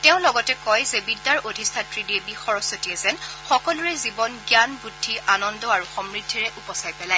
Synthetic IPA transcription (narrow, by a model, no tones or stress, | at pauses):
tɛʊ̃lɔɡɔtɛkɔjzɛbidːaɹodʱistʰatɹidiebixɔɹɔsotiɛzɛnxɔkɔluɹɛzibɔnɡjanbɹudʱːiʔanɔndɔaɹuxɔmɹidʱːiɹɛʔupɔsajpɛlaɛ